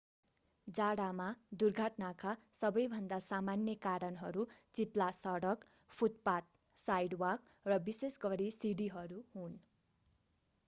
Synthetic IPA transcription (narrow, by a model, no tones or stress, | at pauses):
d͡zaɽamad̪urɡʱaʈnakasʌbʌjbʱʌnd̪asamanjʌkaɾʌnɦʌɾut͡siplasʌɽʌk | pʰut̪̚pat̪̚ | sajɽwak | rʌbisesɡʌɾisiɽiɦʌɾuɦun